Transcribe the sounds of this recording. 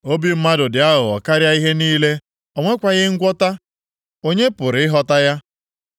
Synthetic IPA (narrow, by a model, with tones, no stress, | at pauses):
o˦bi˦m̩˦ma˦dʊ˨dɪ˨a˦ɦʊ˨ɔ̰˨ka˦ɾja˦i˦ɦe˦niː˦le˦ | ɔ˨ŋʷe˦kʷa˨ɣɪ˦ŋ̩˦ɡʷɔ˦ta˦ | o˦ɲe˦pʊ˨ɾɪ˨ɪ˦ɦɔ˦ta˦ja˦